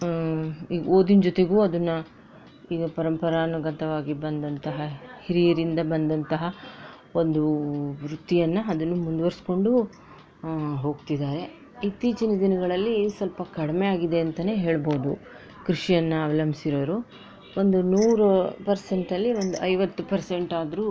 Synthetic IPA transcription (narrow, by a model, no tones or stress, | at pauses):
iːɡɐoːd̪ind͡ʒot̪e̞ɡuːɐd̪ɐnːɐ | iːɡɐpɐɾɐmpɐɾaːnɐɡɐt̪ɐʋaːɡibɐnd̪ɐnt̪ɐɦɐhiɾijɐɾind̪ɐbɐnd̪ɐnt̪ɐɦɐ | o̞nd̪uʋɾut̪ːijɐnːɐɐd̪ɐnːumund̪ʋɐɾsko̞ɳɖu | ɦo̞ːɡt̪id̪aːɾe̞ | it̪ːiːt͡ʃinɐd̪inɐɡɐɭɐlːisɐlpɐkɐɽmeaːɡid̪e̞ɐnt̪ɐne̞ːɦe̞ːɭboːd̪u | kɾiʂijɐnːɐːʋɐlɐmisiɾoːɾu | o̞nd̪unuːɾupɐɾse̞ɳʈɐlːiʋo̞nd̪uʔɐjʋɐt̪ːupɐɾse̞ɳʈaːd̪ɾuː